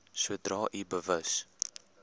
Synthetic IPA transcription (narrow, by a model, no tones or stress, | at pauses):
suədrɑːʔibəvəs